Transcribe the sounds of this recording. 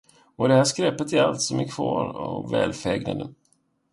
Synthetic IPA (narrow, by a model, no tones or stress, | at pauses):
ɔd̪ɛhæːʂkɾɛpːət̪æɾalt̪sɔmækʰvɑːɾɔvɛːlfɛːɡna̰d̪ə